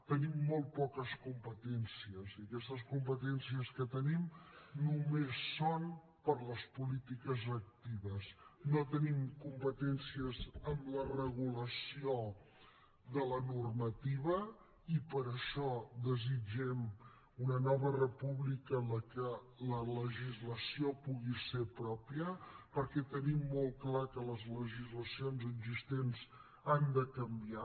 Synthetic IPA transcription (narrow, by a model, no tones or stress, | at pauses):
t̪ənimːolˠt̪̚pɔkəskumpət̪ɛnsiəziəkɛst̪əs̬kumpət̪ɛnsiəskət̪ənimnumesːon | pəɾləspulit̪ikəzək̚t̪iβəsnot̪ənimkumpət̪ɛnsiəzəmlərəɣuləsio | ðələnurmət̪iβə | ipəɾəʃɔd̪əzid͡ʒɛm | unənɔβərəpuβlikələkə | lələʒizləsiopuɣisepɾɔpiəpəɾkɛt̪ənimːolˠklakələzləʒizləsionzəɡzist̪enz | and̪əkəmbia